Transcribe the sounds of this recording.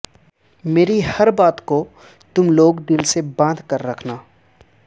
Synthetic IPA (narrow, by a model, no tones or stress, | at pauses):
meːɾihɐɾbaːt̪ko | t̪ʊmloːɡd̪ɪlsebãːnd̪ʱkɐɾːɐkʰnaː